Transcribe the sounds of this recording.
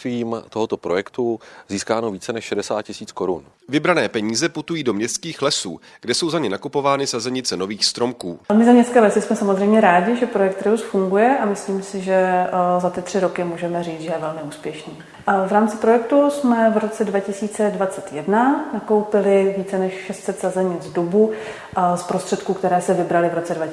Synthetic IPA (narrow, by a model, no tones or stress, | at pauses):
iːmt̪oɦot̪opɾojɛkt̪uziːskaːnoviːt͡sɛnɛʃʃɛdɛsa̰ːt̪cɪsiːt͡skoɾṵn | vɪbɾanɛːpɛɲiːzɛput̪ujiːdo̞mɲɛst̪kiːxlɛsṵː | ɡ̥dɛso̞wzaɲɛnakupo̞vaːnɪsazɛɲɪt͡sɛno̞viːxst̪ɾo̞mkuːmɪzamɲɛst͡s̪kɛːlɛsɪsmɛsamozrɛjmɲɛɾaːɟɪʒɛpɾo̞jɛk̚t̪ɾɪusfuŋɡujɛʔamɪsliːmsɪʒɛzat̪ɪt̪r̝̥ɪɾo̞kɪmuːʒɛmɛriːt͡sʒɛjɛvɛlmɪuːspjɛʃniː | vɾaːmt͡sɪpɾo̞jɛk̚t̪usmɛvɾo̞t͡sɛdvacɪsiːt͡sɛdvat͡sɛt̪jɛdnanako̞wpɪlɪviːt͡sɛnɛʃʃɛst̪sɛt̪sazɛɲɪd͡zdubu | spɾo̞st̪r̥ɛt̪kuːkt̪ɛɾɛːsɛvɪbɾalɪvɾo̞t͡sɛdva